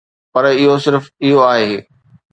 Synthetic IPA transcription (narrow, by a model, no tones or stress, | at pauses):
pɐɾɪɦosɪɾfɪɦoaːɦeː